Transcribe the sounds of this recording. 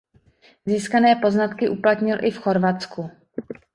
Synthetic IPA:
ziːskanɛːpo̞znat̪kɪʔuplat̪ɲɪlʔɪfxo̞ɾvat̪t͡sku

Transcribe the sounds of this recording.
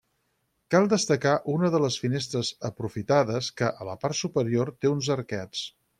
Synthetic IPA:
kalˠd̪əst̪əkaʔunəðələsfines̬t̪ɾəzəpɾufit̪aðəskəʔələpaɾt̪supəɾiort̪eunzəɾkɛt͡s

